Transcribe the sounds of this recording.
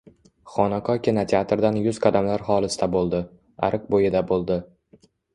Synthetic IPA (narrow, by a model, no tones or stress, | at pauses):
χɒnaqʰɒkʲʰɪnat̪ʰʲeat̪ɾd̪anjʊz̥qʰɑd̪amlaɾχɒlˠɪsɪt̪abolˠd̪ɪ | a̰ɾɨq̚bojɪd̪abolˠd̪ɪ